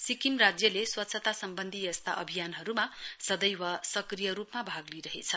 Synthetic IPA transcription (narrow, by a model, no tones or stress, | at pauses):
sikimrad͡zjʌleswʌt̪sʰʌt̪asʌmbʌnd̪ʱijʌst̪a̰ʔʌbʱijanɦʌɾumasʌd̪ʌjwasʌkrijʌɾupmabʱaɡliɾʌɦḛt͡sʰʌ